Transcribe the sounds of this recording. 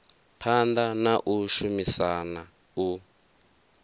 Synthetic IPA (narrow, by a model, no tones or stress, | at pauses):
pʰand̪anaʔuʃumisana | u